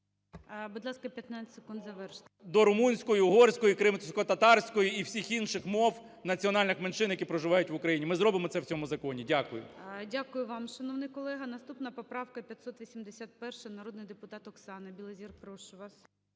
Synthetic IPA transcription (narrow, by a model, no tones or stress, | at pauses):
bʊd̪lˠɑskɐpʲjɐt̪nɑt͡sʲɪt̪ʲse̥kund̪zɐʋɛrʃt̪d̪ɔɾʊmunʲsʲkɔjʊɦɔrsʲkɔjikɾɪmt̪sʲkɔt̪ɐt̪ɑrsʲkɔjʊiwsʲixinʃɪxmɔwnɐt͡sʲiɔnɑlʲnɪxmenʃɪnjɐkipɾɔʒɪʋɑjʊtʲʋʊkɾɐjinʲimɪzɾɔbɪmɔsɛwt͡sʲɔmʊzɐkɔnʲidʲakʊjʊ̰dʲakʊjʊʋɑmʃɐnɔʋnɪjkɔlˠɛɦɐnɐst̪upnɐpɔpɾɑwkɐpʲjɐt̪ʲsɔt̪ʋʲisʲimd̪esʲat̪̚pɛrʃɐnɐɾɔd̪nɪjd̪epʊt̪ɑt̪ɔksɑnɪbʲilˠezʲirpɾɔʃʊʋɑs